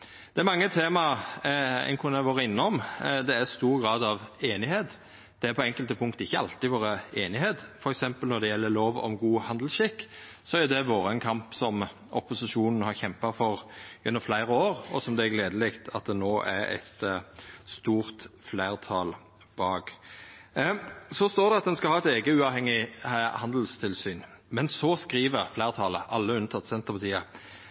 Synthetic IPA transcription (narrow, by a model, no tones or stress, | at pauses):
d̪̥ɛæɾmɑŋːət̪ʰeːmɑ | ɛ̰nkʰʊnæʋoːɾəɪnːəɔmd̪ɛæɾst̪uːɾɡɾɑːd̪ɑʋeːnɪheːt̪ | d̪̥ɛæɾpʰɔɛŋkəlt̪əpʰʊŋkt̪əɪçːəɑ̰lt̪ɪʋoːɾəeːnɪheːt̪fɔɾɛksɛmpəlnɔɾd̪ɛjɛlːəɾloːʋɔ̰mɡuːhɑnd̪əl̩sʃɪkː | sɔæɾjʊd̪ɛʋoːɾəɛnkʰɑmpsɔm | ɔ̰pʊsɪʂuːnən̩hɑɾçɛmpɑfɔɾjʉnːɔmflæɪʁəoːɾɔsɔmd̪ɛæɡleːd̪əlɪkt̪ʰɑt̪̚d̪ɛnoːʔæɾɛ̰ɪt̪ | st̪uːʁt̪flæɪʁt̪ʰɑːl | b̥ɑːɡ | sɔst̪oːʁd̪ɛɑt̪̚d̪ɛnskɑlhɑːɛt̪eːɡəʉːɑʋhɛŋːɪhɑnd̪l̩st̪ʰɪlsyːn | mɛnsɔskʁiːʋəʁflæɪʁt̪ʰɑːləʔɑlːəʉnt̪ʰɑt̪ːsɛnt̪əʁpɑt̪ʰiːə